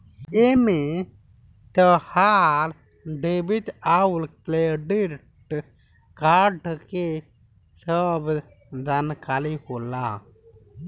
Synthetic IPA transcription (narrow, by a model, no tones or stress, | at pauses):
eme | t̪əhaɾ | ɖebit̪aulkleɖi | ʈ | kaːɖke | səb | d̪ankaːlihola